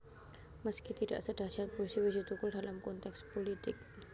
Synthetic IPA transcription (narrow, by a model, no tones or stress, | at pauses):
məskit̪ida̰ʔsədɾasiɦat̪̚poisiwid͡ʒit̪ukʊldalamkɔnt̪ɛkspolit̪ɪk̚